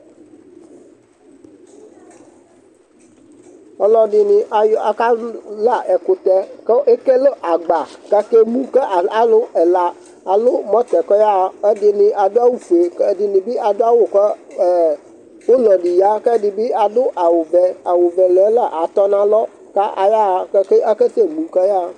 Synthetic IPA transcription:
ɔ˦lɔ˦dɪ˨nɪ˨ʔa˨ja˨ka˦la˦˨ʔɛ˨kʊ˨t̪ɛ˦ke˦ʔe˦ke˦lo˦ʔa˨ɡ͡ba˨kɛ˦ke˦mũ˦kɛ˦ʔa˨lʊ˦ɛ˨la˨ | a˨lʊ˦mɔ̃˦t̪ɛ˨kɔ˦ja˦˨ɛ˦dɪ˨nɪ̃˨ʔa˨dʊ˦a˦wu˦fe˨kdɪ˨nɪ̃˨bi˦a˨dʊ˦a˦wʊ˨kə˦˨ | wo˦lɔ˨ɖi˨ja˦kɛ˦dɪ˨bɪ˦a˨dʊ˦ʔa˨wʊ˨bɛ˨a˨wo˨bɛ˨lɛ˨˦la˦˨ʔa˨t̪ɔ˦nã˦lɔ˦ | ka˦ʔa˨ja˦˨kɛ˦ke˦ʔa˦kə˦se˦mũ˨kɛ˦ja˦

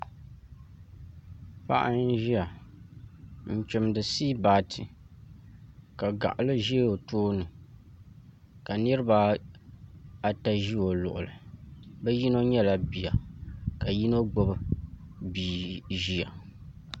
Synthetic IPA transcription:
pa̰˦ʔa˦n̩˦ʒi˦a˨ | n̩˨t͡ʃɪ˨mdɨ˨siː˦baː˨tʰɨ˨ | ka˨ɡa̰˨ʔa˨lɨ˦ʒi˦o˨toː˦nɨ˨ | ka˨nɨ˦ɾɨ˦ba˦ | a˨ta˦ʒi˦o˨lʊ̰˨ʔʊ̰˨lɨ̰˨bɛ˦ji˦no˦ɲɛ˦la˨bi˨ja˨ka˨ji˦no˦ɡ͡bo˦bɨ˨biː˨ʒi˦a˨

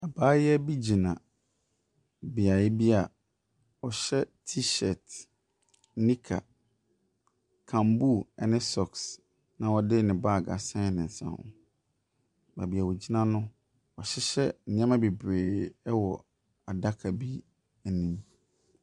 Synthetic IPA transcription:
a˨baː˦jɛ˦bi˦d͡ʑi˨nã˨ | bi˨a˨jɪ˦bi˦a˨ | ɔ˨ɕɛ˦tʰi˦ɕɛ˨t | nĩ˦kʰa̰˨ | kʰã˨mbu˦˨ɛ˦nɪ̃˦sɔ˨ks | nã˨ɔ˦dɪ˦nɪ̃˨ba˦˨ɡa̰˨sã˦nɪ̃˨n̩˨sã̰˦ʊ̰̃˨ | ba˨bi˨a˨wo˨d͡ʑi˦nã˦nʊ̃˦ | ɔ˨ɕɪ˦ɕɛ˦n̩˨ɪ̃˨˦ã˦mã˦be˨bɾeː˨ɛ˦wɔ˨ | a˨da˦kʰa˨bi˦ | ɛ˨nĩ˦m

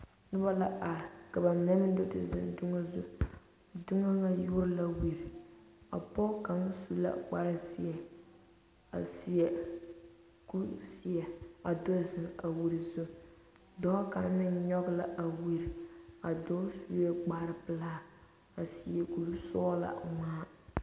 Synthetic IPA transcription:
nɨ˦ba˦la˦ʔa˨ɾɪ˨ka˨ba˨nɛ˦m˦do˦tɨ̰˨zɪ̰˨ndʊ˦ŋa˦zu˦˨ | dʊ˦ŋa˦ŋa˦jʊ˦ɾla˦wi˨ɾi˨ | a̰˨pɔ˦ka˨ŋ˦su˦la̰˦k͡pa˦ɾɪ˦si˦ɛ˨ | a̰˨si˨ɛ˨ | ku˦si˨ɛ˨a˨do˦zɨ˨ŋ˨a˨wi˨ɾi˨zʊ˦ | dɔ˦ka˨n˦mɪ˦n˦ɲɔ˦ɡla̰˦ʔa˨wi˨ɾi˨a˨do˦su˦ɛ˦ɡ͡ba˦ɾɪ˦pɨ˨˦laː˦˨ | a˨si˨ɛ˨ku˨lsɔː˦la̰˨ŋaː˦

